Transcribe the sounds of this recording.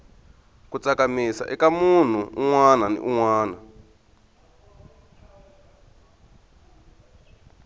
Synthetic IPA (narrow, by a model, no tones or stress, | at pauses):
kut͡sakamisa̰ʔɛkamun̤uuŋwananḭʔuŋwaːna